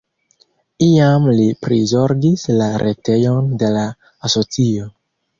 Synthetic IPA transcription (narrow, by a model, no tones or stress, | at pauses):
iamlipɾizo̞ɾɡislaɾʔe̞te̞jo̞nde̞laː | so̞t͡sio̞